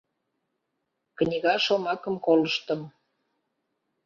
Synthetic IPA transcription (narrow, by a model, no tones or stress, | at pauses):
knʲiɣɑʃomɑkəmkoləʃt̪ə̆m